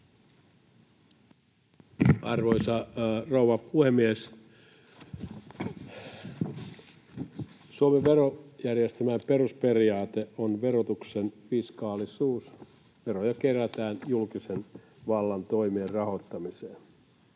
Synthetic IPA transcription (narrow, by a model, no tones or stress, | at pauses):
ɑrʋoisɑrouwɑpuhemːies | suomeʋeɾojærjest̪æmæmperuspe̞riɑːt̪eʔonʋeɾot̪uksenʋiskɑːlisuːs | ʋe̞ɾojɑkeræt̪æːnjulkisen | ʋɑlːɑnt̪oimierrɑho̞t̪ːɑmiseːn